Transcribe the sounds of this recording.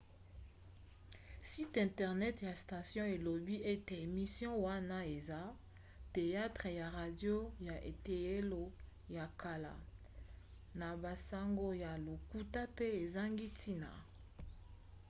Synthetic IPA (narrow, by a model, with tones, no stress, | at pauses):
si˦tɛ̃˨tɛ˨ʁnɛ˦tja˨sta˨sjɔ̃˦e˨lo˨bi˦e˦te˨e˨mi˨sjɔ̃˦wa˦na˦e˨za˦ | te˨ja˦tʁə˨ja˨ʁa˨djo˦ja˨ʔḛ˨te˨e˦lo˨ | ja˨ka˨la̰˨ | na˨ba˨sa˦ŋɡo˦ja˨lo˨ku˦ta˦pe˦e˨za˦ŋɡi˦tʰi˦na̰˨